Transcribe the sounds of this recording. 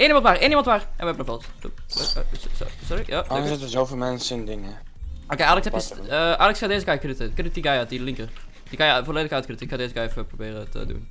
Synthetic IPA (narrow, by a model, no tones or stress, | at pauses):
eːnimɑntʋaːreːnimɑntʋaːrʔɛ̰nʋəɛbənəvɔlˠs | ṵsssɔɾijasɛtəzowfɪlˠmɛnsəndɪŋə | okeʔaːləkshɛpjəsəʔaːlɛkskandeːzəkajkrytəkrɪt̚diɡajatdilɪŋkər | d̥ikɑnjəvoːleːdəkaːt̚krytəɪkxadeːzəkajɛfəprobɪːrətə̰dṵn